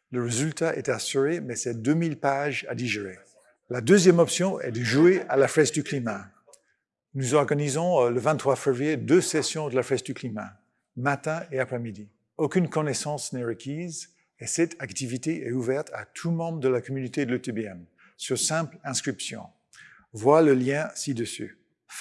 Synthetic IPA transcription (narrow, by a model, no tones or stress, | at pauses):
ləʁezylt̪aʔɛt̪asyʁemɛsɛd̪ømilpaʒa̰d̪iʒeʁe | lad̪øzjɛmɔpsjɔ̃ɛ̰d̪əʒuealafɛsd̪yklima | nuzɔʁɡanizɔ̃ləvɛ̃t̪t̪ːχwafɛvʁijed̪øsɛsjɔ̃d̪əlafɛsd̪yklima̰ | mat̪ɛ̃eapχɛmid̪i | okʲynkɔnɛsɑ̃snɛʁəkʲʰiz | esɛt̪ʰakt̪ivit̪eʔɛuvɛʁt̪ʰat̪ʰumɑ̃bʁəd̪əlakɔmynot̪ed̪əløt̪ebeɛm | syʁsɛ̃plɛ̃skχipsjɔ̰̃ | vwaləljɛ̃sid̪əsy̰